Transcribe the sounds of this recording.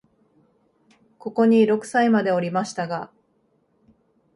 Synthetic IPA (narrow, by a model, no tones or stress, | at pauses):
ko̞ko̞ɲ̟iɾo̞kɯ̟̥saimad̪e̞o̞ɾʲimaɕi̥t̪aɡa